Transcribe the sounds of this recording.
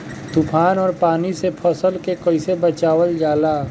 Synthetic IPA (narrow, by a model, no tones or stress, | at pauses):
t̪upʰaːnɔːɾpaːnisepʰəsəlkekəɪsebət͡ʃaːwəld͡ʒaːlaː